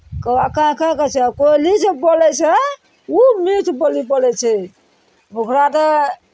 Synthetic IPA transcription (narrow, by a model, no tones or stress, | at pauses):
kəwakãkãkət͡ʃʰɛkolid͡ʒebolɛt͡ʃʰɛ | umit̪ʰbolipolɛt͡ʃʰɛ | mokɾat̪ə